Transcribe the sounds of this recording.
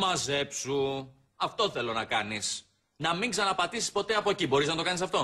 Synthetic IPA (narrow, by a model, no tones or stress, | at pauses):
mɐze̞psu | ɐft̪o̞θe̞lo̞nɐkɐnis | nɐmiŋɡsɐnɐpɐt̪isi̥spo̞t̪e̞ɐpo̞ecibo̞ɾiznɐt̪okɐnisɐft̪o̞